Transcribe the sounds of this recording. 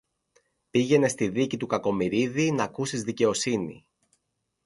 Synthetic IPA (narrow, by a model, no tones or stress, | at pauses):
piʝe̞ne̞st̪iðicit̪ukɐko̞miɾiðinɐkusizðice̞o̞sinḭ